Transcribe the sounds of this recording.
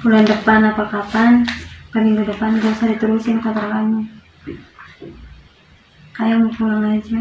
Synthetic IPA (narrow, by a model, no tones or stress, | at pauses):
pulandəpanapakapanpəniŋɡudəpanɡosadit̪əɾusinkat̪ɾakanu | kajamukulaŋlad͡ʒa